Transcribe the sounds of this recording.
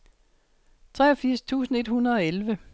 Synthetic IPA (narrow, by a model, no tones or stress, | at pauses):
t͡sʰʁɛ̰ːɒfiɐ̰st͡sʰṵːsn̩e̝d̥hunɐðˠɒ̽elʋə